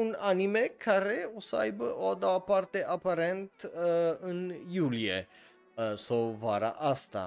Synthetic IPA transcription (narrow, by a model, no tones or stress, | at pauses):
unanimekʰaɾeosəajbəʔoad̪aapart̪eʔapaɾent̪ɨnjuliḛ | sawvaɾa̰ʔast̪a̰